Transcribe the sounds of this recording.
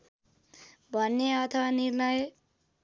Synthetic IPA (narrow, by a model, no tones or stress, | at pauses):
bʱʌnːeʌt̪ʰʌwanirnʌj